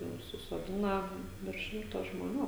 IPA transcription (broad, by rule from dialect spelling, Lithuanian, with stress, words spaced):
jɛʊ sʊsoːˈdʲɪnɐ ʋʲɪrʃ ˈʃʲɪmtoː ʒmoːˈnʲuː